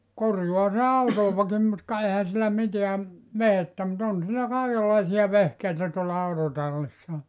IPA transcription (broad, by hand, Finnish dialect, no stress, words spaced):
korjuɑ se ɑutoˑʋɑkim mut kɑ ehæ silːæ miteæ ʋehetːæ mut on silːæ kɑˑikelːɑisiɑ ʋehkeitæ tuolːɑ ɑutotɑlːisːɑ